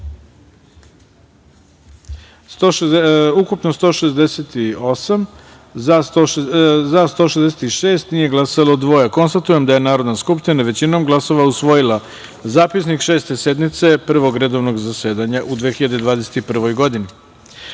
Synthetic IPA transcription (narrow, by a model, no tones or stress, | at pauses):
soukupnost̪o̞ːʃezd̪e̞set̪io̞sam | a | zast̪oʃezd̪eset̪iʃeːst̪nije̞ɡlˠasalod̪ʋo̞jako̞nst̪at̪uje̞md̪aje̞naːɾo̞d̪naskupʃt̪inaʋe̞t͡ɕino̞mɡlˠaso̞ʋausʋo̞jilˠa | zaːpisnikʃe̞ːst̪e̞se̞d̪mit̪se̞pr̩ʋo̞ɡɾe̞d̪o̞ʋnoɡzase̞ːd̪aɲaʔud̪ʋexiʎad̪ed̪ʋaːd̪ese̥t̪ipr̩ʋo̞jɡo̞d̪ini